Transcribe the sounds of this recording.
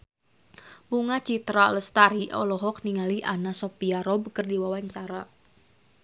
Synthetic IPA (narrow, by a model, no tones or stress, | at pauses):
puŋat͡ʃit̪ɾaləst̪aɾiʔɔ̰lɔɦɔkniŋaliʔanasɔpiaɾɔbkərdiwawaɲt͡ʃaɾa